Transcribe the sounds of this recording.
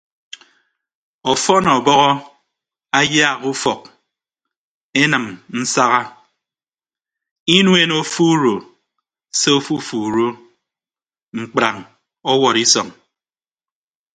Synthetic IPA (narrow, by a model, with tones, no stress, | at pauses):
ɔ˨fɔ˦nɔ˨bɔ˦ɣɔ˦ | a˦ja˦˨ɣu˦fɔ˨k̚ | e˦nɨ˨mn̩˦sa˦ɣa˦ | i˦nwe˦no˦fu˦ɾo˨ | se˦o˦fu˦fu˨ɾo˦ | ŋ͡m̩˨k͡pɾa˨ŋ | ɔ˦wɔ˨ɾi˦sɔ˨ŋ